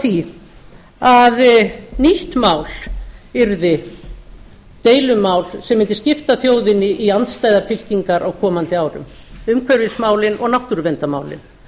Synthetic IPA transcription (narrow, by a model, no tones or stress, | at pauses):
θi | aðniht̪maːwlɪɾðɪ | t̪eːjlʏmːaːwlsɛmːɪnt̪ɪscɪft̪aθjoːwðɪnːɪʔiant̪st̪aːjðaɾfɪl̥ciŋkaɾʔaɣkʰɔːmant̪ɪaːwɾʏ̰m | ʏmkʰvœɾvɪsmaːwlɪnɔɣnaht̪uɾvɛnt̪ama̰ːwlɪ̰n